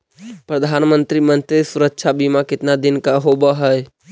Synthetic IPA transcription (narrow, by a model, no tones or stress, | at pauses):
pɾəd̪ʱanmənt̪ɾimənt̪ɾesuɾəkːt͡ʃʰabimakɪt̪nad̪inkaɦobəɦəj